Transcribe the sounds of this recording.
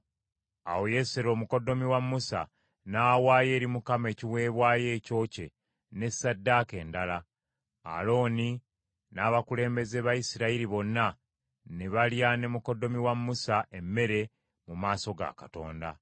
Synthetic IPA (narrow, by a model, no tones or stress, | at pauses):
a̰woje̞seɾo̞ːmuko̞do̞miwamːusa̰ | naːwaːje̞ːɾimukame̞ːciwe̞ːβwaːje̞ːco̞ːce̞̰ | ne̞sadːake̞ːndala | a̰lo̞ːni | naːβakule̞ːmbe̞ze̞βaisiɾaiɾiβo̞nːa | neβaljane̞muko̞do̞miwamːusaʔe̞mːe̞ɾe̞ | mumaːso̞ɡa̰kato̞̰ːnda̰